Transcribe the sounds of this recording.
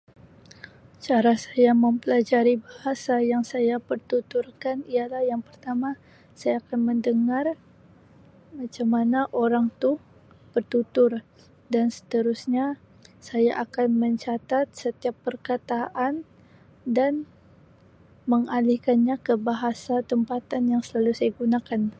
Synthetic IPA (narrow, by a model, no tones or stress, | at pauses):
t͡ʃaɾasajaməmpəlad͡ʒaɾibahasajaŋsajapərt̪ut̪urkanijalahjaŋpərt̪ama | sajaːkanməndəŋar | mat͡ʃamanaʔoɾaŋt̪u | pərt̪ut̪ʊr | dansə̥t̪əɾusɲa | sajaʔakanməɲt͡ʃat̪at̪̚sət̪iapːərkat̪aʔan | dan | məŋalihkanɲakəbaɦasat̪əmpat̪anjaŋsəlalusajaɡunakan